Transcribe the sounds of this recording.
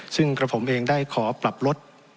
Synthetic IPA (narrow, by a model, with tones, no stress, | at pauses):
sɯ˥˩ŋkɾa˧pʰo˩˦mʔeː˧ŋdaː˥˩jkʰɔː˩˦pla˨˩p̚ɾo˦˥t̪̚